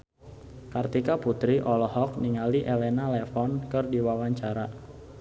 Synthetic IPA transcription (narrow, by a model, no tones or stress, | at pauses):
kart̪ikaput̪ɾiʔɔlɔhɔk̚niŋaliʔelenalɛfɔnkɨrdiwawaɲt͡ʃaɾa